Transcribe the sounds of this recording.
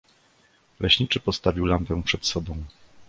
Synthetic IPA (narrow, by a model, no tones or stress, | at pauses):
lɛɕɲit͡ʂɘpɔst̪avʲiwlampɛw̃pʂɛt̪sɔbɔ̃w̃